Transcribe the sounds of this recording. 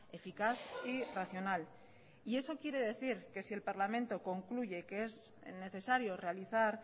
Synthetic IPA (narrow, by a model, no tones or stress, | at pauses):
e̞fikaθiraθjo̞nal | ie̞so̞kje̞ɾe̞ð̞e̞θiɾke̞sie̞lpaɾlamẽ̞nt̪o̞ko̞ŋkluʝe̞kee̞z | ne̞θe̞saɾjo̞re̞aliθaɾ